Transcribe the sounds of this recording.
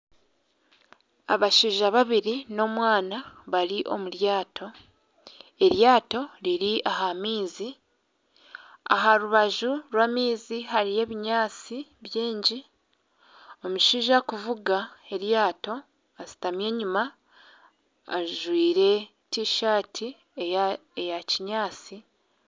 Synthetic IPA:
a̰βaʃiːʒaβaβiɾino̞mwaːnaβaɾiʔo̞̰muɾjaːtʰo̞ | e̞ɾjaːto̞liɾiʔaɦamiːzi | a̰ɦaɾuβaʒuɾwaːmiːziɦaɾije̞ːβiɲaːt͡siβjiːɲɟi | omuʃiːʒakuvuɡae̞ɾjaːto̞ | asi̥tamje̞ːɲuma | ʒwiːɾe̞ | tiʃaːtʰi | ejaciɲaːt͡si

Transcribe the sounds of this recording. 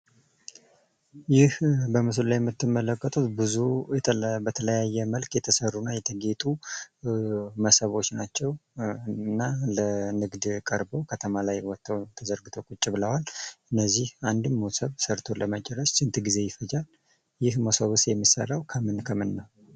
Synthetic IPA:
jɪhbəmɨsɨllajɛmːɨt̪ːɨmːələkʼːət̪ʼut̪bɨzujɛbət̪ʰələjajːɛməlkjɛt̪ʰəsərːunːajɛt̪ʰəɡe̞t̪ʼu | məsəβo̞t͡ʃːnat͡ʃːɛw | nːalənɨɡd̪kʼəɾbowkʰət̪ʰəmalajwɔt̪ːawt̪ʰəzəɾɡɨt̪ʰokʼut͡ʃʼːibɨləwalɨnːəzːihand̪ɨmːosəβsəɾt̪ʰo̞ləmət͡ʃʼɛɾːəʃt͡ʃɨnt̪ʰɡize̞jɪfəd͡ʒal | jɪhmosəβusjɛmːisa̰ɾawkʰəmɨnkʰəmɨnːəw

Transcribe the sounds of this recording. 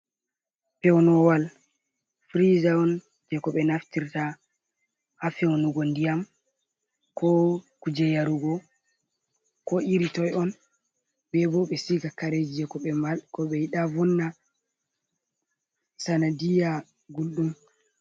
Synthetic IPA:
pɛwnɔwal | fɾizaɔn | d͡ʒɛkɔɓɛnaftiɾta | hafɛwnuɡɔndijam | kʰɔkud͡ʒɛjaɾuɡɔ | kɔiɾitɔjɔn | bɛbɔɓɛsiɡakaɾed͡ʒid͡ʒɛkɔɓɛmalkɔɓɛjiɗavɔnːa | sanadija | ɡulɗum

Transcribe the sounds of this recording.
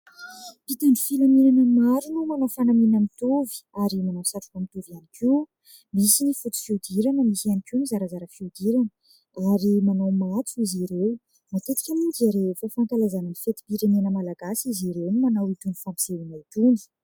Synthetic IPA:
pit̪ani̥filamenanəmaɾunumanawfanaminəmit̪uvi̥aɾimanawsaʈ͡ʂu̥kamit̪uvianikʰiw | misinifut̪i̥fiud̪iɾanəmisianikiunizaɾazaɾəfiud̪iɾanə | aɾimanawmat͡s̪uiziɾew | mat̪et̪i̥kʲamund͡ʒaɾefofant̪alazaninifet̪i̥piɾenenəmalaɡasiziɾewnimanawit̪unifampi̥z̥elinait̪uni̥

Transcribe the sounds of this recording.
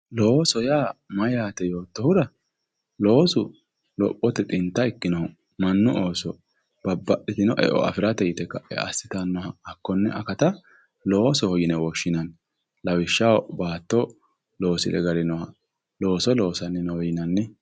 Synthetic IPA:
lo̞ːsɔjaːmɐjaːt̪ɛjo̞ːt̪ːɔhʊɾɐ | lo̞ːsʊ | lɔ̰pʼːɔt̪ɛt̪ʼɪnt̪ːɐɪkːɪnɐʊ | mɐnːʊʔoːsɔ | b̥ɐbːɐʔɪt̪ɪnɔʔɛ̰ʔɔ̰ɐ̰fɪɾɐt̪ɛjɪt̪ɛkːɐʔɛ̰ʔɐ̰sːɪt̪ɐnːɔhɐːkːɔnːɛʔɐkɐt̪ɐ | lo̞ːsɔhɔjɪnɛwɔʃːɪnɐn | lɐwɪʃːɐwbaːt̪ːɔ | lo̞ːsɪ̰lɛ̰ɡɐɾɪnɔhɐ | lo̞ːsɔlo̞ːsɐnːɪnɔwjɪnɐnːɪ

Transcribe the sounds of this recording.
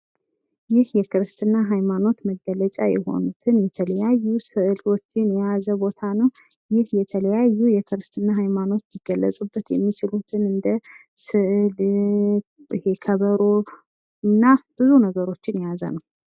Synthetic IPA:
jɪhjɛkɨɾɨst̪ʰɨnːaɦajmano̞t̪məɡːələt͡ʃʼa̰jɛ̰ho̞̰nut̪ʰɨnjɛt̪ʰələjajːusɨʔɨlwot͡ʃːɪnjɛjazəbo̞t̪ʰanəw | jɪhjɛt̪ʰələjajːujɛkʰɨɾɨst̪ʰɨnːaɦajmano̞t̪jɪɡ̥əlːəsʼubːət̪jɛmːit͡ʃɪlut̪ʰɨnɨnd̪ə | sɨʔl | ɨ̰he̞kʰəβəɾo̞ | ɨnːab̥ɨzunəɡəɾo̞t͡ʃːɪnjɛjazə̰nəw

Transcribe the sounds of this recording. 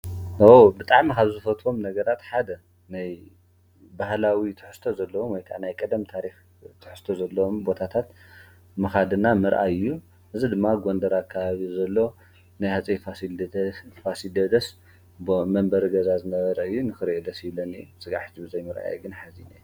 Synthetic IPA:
wbɨt̪ʼaʕmikaβzɨfɐt̪o̞mnɐɡɐɾat̪ħad̪ɐ | naj | bahlawit̪ʰɨ̥ħɨ̥st̪ʰozɐlːɐwomwɔjt̪ʰaʕnajkʼɐd̪ɐmt̪ʰaɾix | t̪ʰɨ̥ħɨst̪ʰozɐlːɐwmbo̞t̪ʰat̪ʰat̪ | mɨxad̪ɨnamɨɾʔa̰jɨjːu | ʔɨzid̪ɨmːaɡond̪ɐɾakʰːaβaβizɐlːo̞ | najhat͡sʼifasi | fasid̪ɐd̪ɐs | bmɐmbɐɾiɡɐzazɨnɐβɐɾɐɨjːunɨxɨɾʔed̪ɐsilɐnḭsʼɨɡa̰ħt͡ʃ̪ʰibɨzɐjmɨɾʔa̰jɛɡɨnħazinej

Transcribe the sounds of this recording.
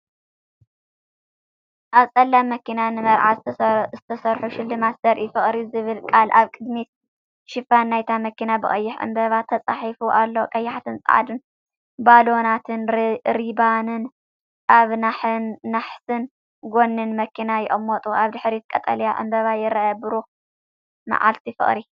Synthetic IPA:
ʔaβsʼɐlːamːɐkinanɨmɐɾʕazzɨt̪ʰɐsɐɾħuʃɪlːɨmasz̥ɐɾʔifɨχʼɾizɨβɨlkʼalʔaβkʼɨd̪mit̪ | ʃɪfanːajt̪ʰamɐkinabɨχʼɐ̰jːɪħʕɨ̰mbɐβat̪ʰɐt͡sʼaħifuʔalːokʼɐjːaħat̪ʰɨnt͡sʼɨ̰ʕa̰d̪ɨn | balo̞nat̪ʰɨnɾibanɨn | ʔaβnaːaħsɨn | ɡo̞nːɨnmɐkʰinajɪʔʼɨmːɔt̪ʼuʔaβd̪ɨħɾit̪̚kʼɐt̪ʼɐ̰ljaʕʔɨ̰mbɐβajɪɾːajabɨɾo | ma̰ʕa̰lt̪ʰifɨ̰χʼɾi

